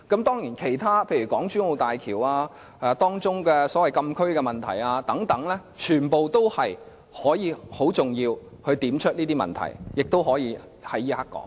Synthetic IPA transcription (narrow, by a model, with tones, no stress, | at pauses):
kɐ˨˥mt̪ɔː˥ŋjiː˨˩nkʰe˨˩jt̪ʰaː˥pʰe˧jɥy˨˩kɔː˨˥ŋt͡ʃyː˨˥ŋo˨˧wt̪aː˨jkʰiː˨˩waː˧ | ɛː˨˧t̪ɔː˥ŋt͡ʃʊ˥ŋkɛː˧sɔː˨˥wɐ˨jkɐ˧mkʰɵ˥ɥkɛː˧mɐ˨nt̪ʰɐ̰˨˩jaː˧t̪ɐ˨˥ŋt̪ɐ˨˥ŋlɛː˥t͡ʃʰyː˨˩npo˨wt̪o˥whɐ˨j | hɔː˨˥jiː˨˧ho˨˥wt͡sʊ˨˩ŋjiː˧w | hɵ˧ɥt̪iː˨˥mt͡ʃʰɵ˥t̚niː˥t̪iː˥mɐ̰˨nt̪ʰɐ̰˨˩jjɪ˨k̚t̪o˥whɔː˨˥jiː˨˧ | hɐ˨˥jːiː˥ha˥kːɔ̰ː˨˥ŋ